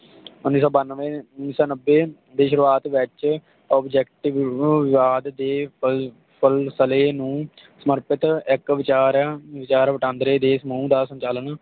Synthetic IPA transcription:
ʊnːiːsɔːbaneʊnːiːsɔːnəbːeː | d̪eːʃʊɾuːaːt̪ʋɪt͡ʃ | ɔːbd͡ʒɛːkʈɪʋʋɪʋaːd̪d̪eː | pʰəlsəleːnũː | səməɾpɪt̪ɪkʋɪt͡ʃaːɾʋɪt͡ʃaːɾʋəʈãːnd̪ɾeːd̪eːsəmaũːd̪aːsə̃ɲt͡ʃaːlən

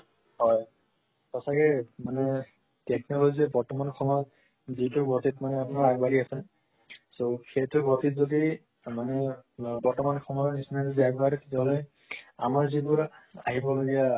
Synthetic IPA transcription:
ɦɔj | pɔsakɛmanɛ | tɛk̚nɔklolizɛbɔɹtɔmankʰɔmɔɔt | zitʊɹɡɔtitmanɛapunaɹaɡbaɹiasɛn | sokʰetʊɡɔtitzoɡi | manɛbɔɹtɔmankʰɔmɔɔnisnatzɛaɡbaɾɛtɛtaɦɔle | a̰maɹzibʊɹa̰ɦibɔloɡija

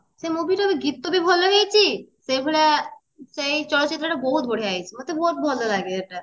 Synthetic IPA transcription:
semobʱiʈobʱiɡit̪ːobʱibʱɔlːoɡejt͡ʃʰisebʱeɽa | seit͡ʃɔlot̪ːt͡ʃit̪ːɾəʈabɔɦut̪̚ɡʱoɽ̤eaːjt͡ʃʰimɐt̪ʰːebɔɦut̪̚bʱɔlolaɡeeʈa

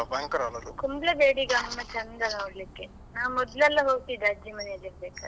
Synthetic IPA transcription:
baːŋkɐɾɐlːɐd̪ukumblɐbeːɽiɡaːmɐnːɐt͡ʃɐnd̪ɐnaːɽlikːe | naːʋmɔd̪lɛlːɐɦoːɡ̚t̪id̪aːd͡ʒimɐneːd͡ʒɐɾbeːka̰ːd̪

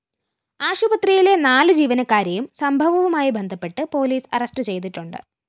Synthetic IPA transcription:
aːɕubɐt̪rijilenaːlɨd͡ʑiːʋɐnɐkːaːɾjɐjumsɐmbʱɐʋɐʋumaːjibend̪ʱɐpːe̞ʈːɨpo̞ːliːsɐ̰rɐsʈɨt͡ɕe̞jt̪iʈːuɳɖɨ̰

